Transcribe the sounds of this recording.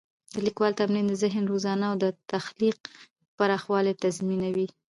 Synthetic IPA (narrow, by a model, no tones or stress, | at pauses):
d̪əlikwɑlt̪amnind̪əzɪɦnɾozɑnawd̪ət̪axliq̚ | paɾɑxwɑlet̪azminawi